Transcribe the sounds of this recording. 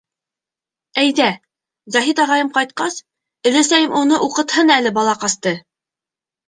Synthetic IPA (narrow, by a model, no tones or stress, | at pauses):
æjðæ | zɒɦit̪ɑʁɑjɤmqɑjt̪̚qɑs | ɵ̆læsæjɘmʔunɤʔuqɤ̆t̪hɤnælɘbɑlˠɑqɑst̪ɤ